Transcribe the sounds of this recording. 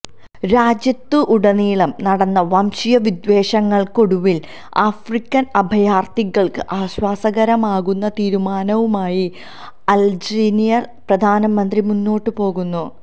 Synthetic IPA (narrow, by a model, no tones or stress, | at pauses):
ɾaːd͡ʑjɐt̪ːuʔːɽɐniːɭɐmnɐɽɐnːɐʋɐmɕijɐʋid̪ʋe̞ːɕɐŋːɐɭko̞ɽuʋil | aːfrikʲːɐnɐbʱɐjaːrt̪iɣɐɭkɨʔaːɕwaːsɐɣɐɾɐmaːɣunːɐt̪iːɾumaːnɐʋumaːji | ɐld͡ʑinijɐrprɐd̪ʱaːnɐmɐnd̪rimunːo̞ːʈːɨpo̞ːɣunːu